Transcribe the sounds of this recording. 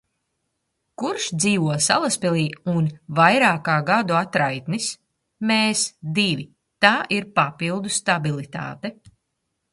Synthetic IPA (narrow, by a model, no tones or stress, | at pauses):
kuɾʃd̪ziːʋuɔsa̰lˠaspɛlˠiːunvajɾaːkaːɡad̪uat̪ɾajt̪nis | meːsd̪ivi | t̪aːʔiɾpapilˠd̪ust̪abilˠit̪a̰ːt̪ɛ